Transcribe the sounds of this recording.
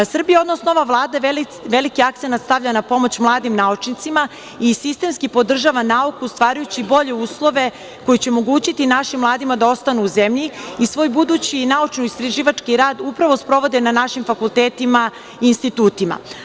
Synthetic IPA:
sr̩bijeo̞d̪no̞snooʋaʋlˠaːd̪a | ʋelikiak̚t̪senat̪st̪aʋʎanapo̞mo̞t͡ɕmlˠaːd̪imnaut͡ʃnit̪sima | isist̪e̞mskipo̞d̪r̩ʒaʋanaukust̪ʋaːɾajut͡ɕibo̞ʎe̞uːslˠo̞ʋe̞ | ko̞jut͡ɕeomo̞ɡuːt͡ɕit̪inaʃimːlˠaːd̪imad̪ao̞st̪anuːzemʎiisʋo̞ːjbud̪ut͡ɕinaut͡ʃniist̪ɾaʒiːʋat͡ʃkiɾaːd̪upɾaʋo̞spɾo̞ʋo̞d̪enanaʃimfakulˠt̪eːt̪ima | iːnst̪it̪uːt̪ima̰

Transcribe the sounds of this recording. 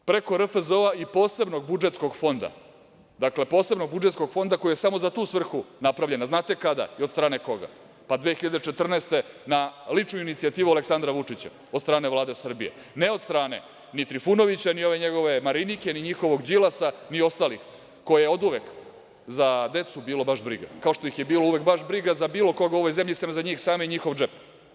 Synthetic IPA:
pɾe̞ko̞ɾəfəzoaipo̞ːse̞bnoɡ̚bud͡ʒet̪sko̞ɡfo̞nd̪a̰ | d̪akle̞poːse̞bno̞ɡ̚bud͡ʒet̪ko̞ɡfo̞nd̪ako̞jijesamo̞zat̪uːsʋr̩xunapɾaʋʎe̞naznaːt̪e̞kad̪a̰iod̪st̪ɾaːne̞ko̞ɡa̰ | pad̪ʋexiʎad̪eʈ͡ʂe̞t̪r̩nest̪e̞nalit͡ʂnujuinit̪siat̪iːʋualeksand̪ɾaʋut͡ʂit͡ɕa̰ | od̪st̪ɾaːne̞vlaːd̪e̞sr̩bijḛ | neod̪st̪ɾaːne̞̰ | nit̪ɾifuno̞ʋit͡ɕanio̞ʋe̞ɲeɡo̞ʋe̞maɾinike̞niɲixo̞ʋo̞ɡd͡ʑilˠasanio̞st̪aːlix | ko̞jajeod̪uʋek | zad̪e̞t̪subiːlobaʃbɾḭɡa̰kao̞ʂt̪o̞ixjebiːlouʋekbaʃbɾiɡazabiːlo̞ko̞ɡao̞ʋojzemʎisenozaɲiːxsaːmoɲixo̞ʋd͡ʒep

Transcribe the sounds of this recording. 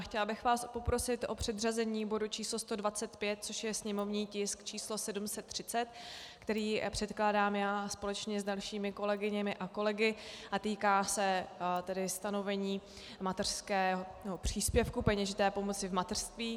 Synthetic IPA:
xcɛlabɪxvaːspo̞pɾo̞sɪt̪ʔo̞pr̥ɛd̪r̝azɛɲiːbo̞dut͡ʃiːslost̪o̞dvat͡sɛt̪pjɛt̪̚t͡so̞ʃjɛsɲɛmo̞vɲiːcɪskt͡ʃiːslo̞sɛdumsɛt̪ːr̝̥ɪt͡sɛt̪kt̪ɛɾiːpr̝̥ɛt̪klaːdaːmjaːspo̞lɛt͡ʃɲɛzdalʃiːmɪko̞lɛɡɪɲɛmɪʔako̞lɛɡɪʔat̪iːkaːsɛt̪ɛdɪst̪ano̞vɛɲiː | mat̪ɛr̥skɛːɦonɛopr̝̥iːspjɛfkupɛɲɛʒɪt̪ɛːpo̞mo̞t͡sɪvmat̪ɛr̥st̪viː

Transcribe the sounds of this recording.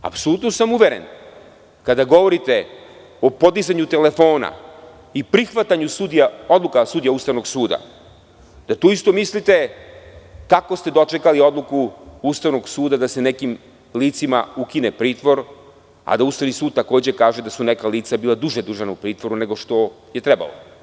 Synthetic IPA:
a̰pso̞lˠut̪nosamuʋe̞ɾe̞̰n | kad̪aɡo̞ʋo̞ɾit̪e̞ | o̞po̞d̪izaɲut̪e̞le̞fo̞ːna̰ | ipɾixʋat̪aɲusud̪ijao̞d̪lˠukasud̪ijaust̪aʋno̞ɡsuːd̪a̰ | d̪at̪uːist̪o̞mislit̪e̞ | kako̞st̪e̞d̪o̞t͡ʃe̞kalio̞d̪lˠukuust̪aʋno̞ɡsuːd̪ad̪ase̞ne̞kim | liːt̪simaukinepɾiːt̪ʋo̞ɾ | a̰d̪aust̪aʋnisuːd̪̚t̪ako̞ːd͡ʑe̞kaːʒed̪asune̞kaliːt̪sabiːlˠad̪uʒed̪uʒanaupɾiːt̪ʋo̞ɾune̞ɡo̞ʃt̪o̞ | je̞t̪ɾeba̰lo̰

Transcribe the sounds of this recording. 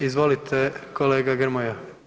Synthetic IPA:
izʋo̞lit̪ʰekʰoleːɡaɡr̩moja

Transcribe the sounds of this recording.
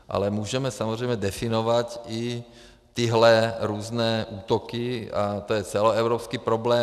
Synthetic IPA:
ʔa̰lɛmuːʒɛmɛsamɔzɾɛjmɛd̪ɛfinɔʋaci | t̪iɦlɛɾɔznɛːʔuːt̪ɔkiat̪ɔjɛt͡sɛlɔɛʊɾɔːpskipɾɔblɛː

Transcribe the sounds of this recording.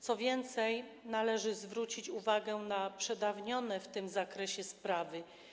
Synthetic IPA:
t̪sɔvʲjɛnt̪sɛjnalɛʐɘzvɾut͡ɕit͡ɕuvaɡɛnapʂɛd̪avɲɔnɛft̪ɘmzakɾɛɕɛspɾavɘ

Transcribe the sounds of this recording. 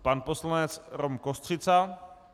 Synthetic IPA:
panposlanɛt͡sɾomkost̪r̥ɪt͡sa

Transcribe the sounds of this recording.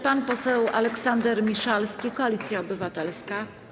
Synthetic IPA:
panpɔsɛwʔa̰lɛksand̪ɛɾmʲiʂalskʲikɔalʲit̪sʲjaɔbɘvat̪ɛlska

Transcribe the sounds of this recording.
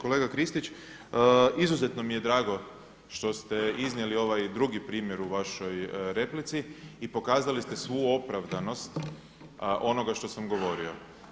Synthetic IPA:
ko̞leɡakɾist̪it͡ʃː | izuze̞t̪no̞mije̞d̪ɾaːɡo̞ | ʃt̪o̞st̪eiznjelio̞ʋajd̪ɾuɡipɾiːmje̞ɾuʋaʃo̞jɾe̞plit̪siiːpo̞kaːzalist̪e̞sʋuo̞pɾaʋd̪ano̞st̪ | ʔo̞no̞ɡaʃt̪o̞samɡo̞ʋo̞ɾio̞

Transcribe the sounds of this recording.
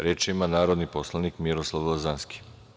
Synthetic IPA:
ɾeːt͡ʃimanaːɾod̪niposlˠanikmiɾoslˠaʋozanski̥

